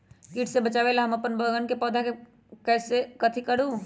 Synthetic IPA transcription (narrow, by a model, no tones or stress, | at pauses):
kiːʈʰsebɐt͡ʃaːʋelaɦɐmɐpənbəːɡənkepɔːd̪ʱake | kɛːsekɐt̪ʰikɐɽu